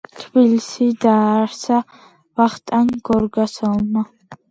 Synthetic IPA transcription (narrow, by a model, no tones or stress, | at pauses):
t̪ʰbilsid̪aːɾsa | vaχt̪ʼanɡɔɾɡasɔlˠma